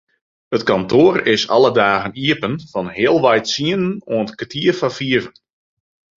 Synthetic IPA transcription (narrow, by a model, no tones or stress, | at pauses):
ətkɔntʰoəɾɪsɑ̰lˠədaːɣəniəpənfɔnhɪəlˠʋɛjtsiənənoəntkətʰiəfafiəvən